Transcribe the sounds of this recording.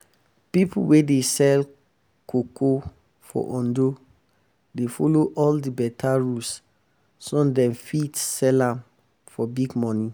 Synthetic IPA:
pipṵwedesɛl | koko | fɔ̰ʔɔ̃ndo | defoloʔɔldibɛtʰaɹus | sɔ̃dɛ̃mfitsɛlãm | fɔbiɡmɔ̃ni

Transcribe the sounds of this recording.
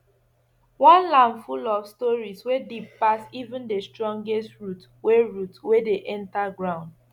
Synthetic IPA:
wɔ̃nlãmfulɔfstɔɹiswedip̚pasivũndestɹɔ̃ŋɡestɹut | weɹutwedeʔɛ̃ntaɡɹãʊ̃nd

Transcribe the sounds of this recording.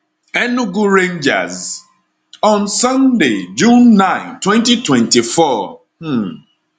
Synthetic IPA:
ɛnuɡuɹẽnd͡ʒa̰z | ɔ̃nsɔ̃nded͡ʒũnːãɪ̃ntwɛ̃ntitwɛ̃ntifɔ

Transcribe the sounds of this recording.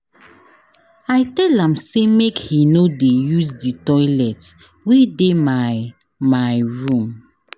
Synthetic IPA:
ajtɛlãmsemekhinodejuzditɔɪlɛt | wedema | majɹũm

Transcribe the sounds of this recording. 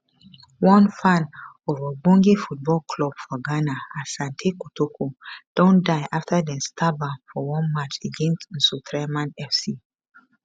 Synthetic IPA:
wɔ̃nfãnovabɔ̃ŋɡefut̚bɔlkʰlɔb̥fɔɡanaasãntʰekutokʰod̥ɔ̃ndaɪʔaftʰadɛ̃nstʰabãfɔwɔ̃nmat͡ʃeɡɛ̃nstn̩sutɹamãnɛfsi

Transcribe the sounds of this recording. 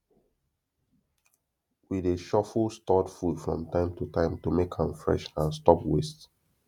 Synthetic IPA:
wideʃɔfulstɔdfudfɹɔ̰̃mtãɪ̃mtutãɪ̃mtumekhãmfɹɛ̰ʃãnstɔpwest

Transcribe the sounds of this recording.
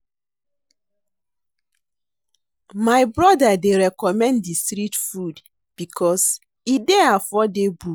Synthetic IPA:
maɪbɾɔdadeɾɛkɔmɛ̃nddistɾitfud | b̥ikʰɔs | ideafɔdebu

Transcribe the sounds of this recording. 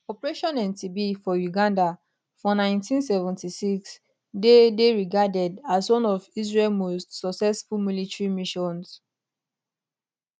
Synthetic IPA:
ɔpɹeʃɔ̃nɛ̃ntibifɔjuɡãnda | fɹɔ̃nãɪ̃ntĩnsɛvɛ̃ntisiks | dedeɹiɡadɛdaswɔ̃nɔvis̬ɹeɛlmostsɔksɛsfumilitɹimiʃɔ̃ns

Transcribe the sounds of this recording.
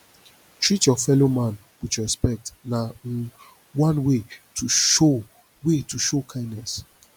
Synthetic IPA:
t͡ʃit͡ʃɔfɛlomãn | wit͡ʃɹɛspɛk̚tna | wãnwetuo | wetuʃokʰãɪ̃nːɛs

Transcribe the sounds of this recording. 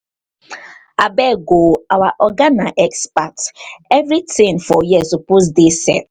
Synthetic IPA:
abɛɡoawaʔɔɡanaʔɛkspatɛvɾitʰĩnfɔjisʊpus̬disɛ̰t

